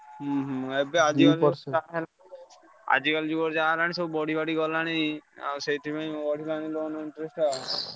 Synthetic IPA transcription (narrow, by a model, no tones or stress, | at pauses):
ɦɦebead͡ʒikald͡ʒaɦela | a̰d͡ʒikald͡ʒuɡɔɾd͡ʒaːɦelaɽ̃ĩsɔbubɔɽ̤ʱibaɽiɡɔlaɽ̃ia̰ɾsejt̪ʰibãbɔɽʱilaɽ̃iloɔnɔiɳʈɾesʈa